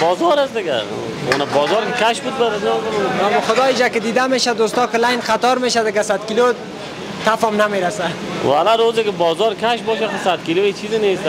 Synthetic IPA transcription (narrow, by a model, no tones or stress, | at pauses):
bɔːzɔɾasd̪ɪɡa̰ | ṵnabɔːzɔɾkɪkʰaʃbud̪̚baɾaznɔzamnamuχʊd̪ɔːjid͡ʒakɪd̪iːd̪ameʃad̪ost̪ɔkɪlajnχat̪ɔɾmeːʃad̪ɪɡasad̪kilo | t̪afɔmnameɾasa | walaɾoːzɪkɪbɔːzɔɾkʰaʃbɔːʃaxʊsad̪̚kiloet͡ʃʰizɪnes